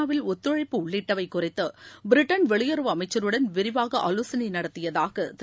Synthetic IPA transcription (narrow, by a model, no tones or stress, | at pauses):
aːʋɪlɔt̪ːɯɻɐɪpːɯʊɭːɪʈːɐʋɐɪkːʊrɪt̪ːɯbɪɾɪʈːɐnʋɛɭɪjɐɾɯʋɐmɐɪt͡ʃːɐɾɯɽɐnʋɪɾɪʋaːɣɐʔɐloːsɐnɐɪnɐɽɐt̪ːɪjɐðaːɣɐt̪